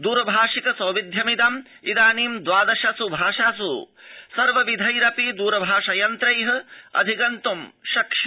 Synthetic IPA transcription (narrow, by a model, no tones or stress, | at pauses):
d̪uːɾɐbʱaːʂikɐsɐwʋid̪ʱjɐmid̪ɐm | id̪aːniːmd̪ʋaːd̪ɐʃɐsubʱaːʂaːsu | sɐɾʋɐʋid̪ʱɐjɾɐpid̪uːɾɐbʱaːʂɐjɐnt̪ɾɐjɦɐ̆ɐ̰d̪ʱikɐnt̪umʃɐkʂɐ